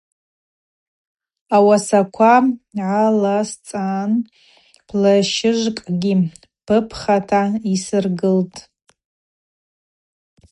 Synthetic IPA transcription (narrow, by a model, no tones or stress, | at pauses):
awasakʷʰaʕalast͡sʼan | pʰlaʃɪʒʷkʼɡʲi | pʰɨpʰχatʰaisɨrɡɨltʼ